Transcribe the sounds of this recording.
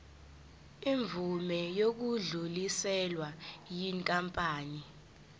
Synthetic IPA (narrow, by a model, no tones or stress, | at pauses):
iɱvumɛjok̬uɮulisɛlwajiŋkʼampʼaːni